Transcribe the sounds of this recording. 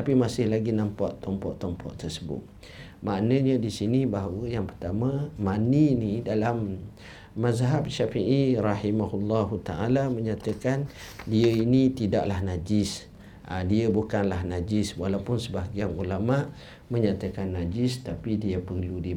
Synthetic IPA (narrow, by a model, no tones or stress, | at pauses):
t̪apimasɪhlaɡinãmpɔʔt̪ɔmpɔʔt̪ɔmpɔ̰ʔt̪ərsəbʊ̰t̪̚ | maʔnə̃ɲə̃disinibaɦawəjaŋpərt̪amãmaninidalamː | azɦabʃafiʔiɾɑhimaɦulːɑɦut̪aʔalamə̃ɲat̪əkandiəinit̪idaʔlahnad͡ʒɪs | ə̰diəbukanlahnad͡ʒɪswalawpʊnsəbaɦɡianulamaʔ | məɲat̪əkanːad͡ʒɪst̪apidiəpərludi